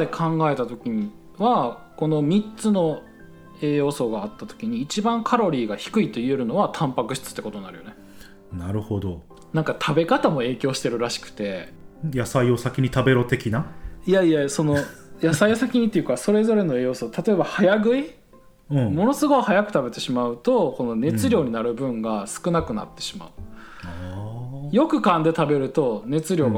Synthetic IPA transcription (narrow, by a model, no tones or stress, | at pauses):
ekʰãŋɡae̞t̪at̪o̞kʲiɲ̟i | βako̞no̞mʲitt͡sɨno̞ | e̞ːjo̞ːso̞ɡaːt̪ːat̪o̞̥kʲiɲ̟iːt͡ɕibãŋkʰaɾo̞ɾʲiːɡaçi̥kɯ̟it̪o̞ieɾɯ̟no̞βat̪ʰãmpakɯ̟ɕi̥t͡sɨ̥t̪ːe̞ko̞t̪onnaɾɯ̟jo̞̰ne | naɾɯ̟ho̞d̪o̞ | nãŋkat̪ʰabe̞kat̪amo̞e̞ːkʲo̞ːɕi̥t̪e̞ɾɯ̟ɾaɕi̥kɯ̟̥t̪e̞jasaio̞sakʲiɲ̟it̪abe̞ɾo̞t̪e̞kʲinaijaijajso̞no̞jasaiosakʲiɲ̟it̪ːejɯ̟kaso̞ɾe̞zo̞ɾe̞no̞ejo̞ːsot̪ʰat̪o̞e̞bahajaɡɯ̟i | ɯ̟̃mo̞no̞sɨɡo̞ihajakɯ̟t̪abe̞t̪e̞ɕimaɯ̟t̪o̞ko̞no̞ne̞t͡sɨɾʲo̞ːɲ̟inaɾɯ̟bɯ̟̃ŋɡasɨ̥kɯ̟nakɯ̟na̰t̪ːe̞ɕima̰ɯ̟ | jo̞kɯ̟kãnd̪e̞t̪abe̞ɾɯ̟t̪o̞ne̞t͡sɨɾʲo̞ːɡa